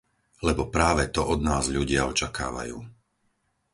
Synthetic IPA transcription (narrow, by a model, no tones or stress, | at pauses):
lɛbɔpɾaːʋɛt̪ɔʔɔd̪naːzʎuɟɪaɔt͡ʃaka̰ːʋa̰jṵː